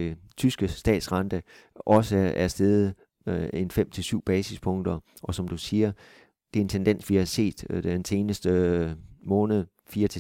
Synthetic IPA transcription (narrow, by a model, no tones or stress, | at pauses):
t͡sʰysɡ̥əsd̥ɛ̰ːd̥sʁɑ̈nd̥ə | ʔɒ̽səæɐsd̥eːð̩ˠ | e̝nfem̰t͡sʰe̝lsyʊ̰b̥ɛːsispʰɔ̽ŋd̥ɐ | ʔɒ̽sɒ̽md̥usiːɐ | d̥e̝ɐe̝nt͡sʰend̥en̰sʋihɑ̈se̝̰ːd̥ense̝ːnəsd̥ə | mɔ̽ːnəð̩ˠ | fiːɐt͡sʰe